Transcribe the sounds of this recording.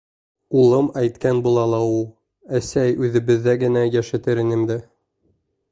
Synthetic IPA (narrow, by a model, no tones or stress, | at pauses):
ulˠɤmæjt̪kænbulˠɑlˠɑulˠ | æsæjʉðɘ̆βɘ̆ðːæɡɘ̆næjæʃɘ̆t̪ɘɾɘ̆nɘ̆md̪ɘ